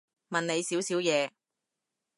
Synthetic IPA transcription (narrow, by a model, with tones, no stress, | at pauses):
mɐ˨ne˨˧jsiː˨˥wsiː˨˥wjɛː˨˧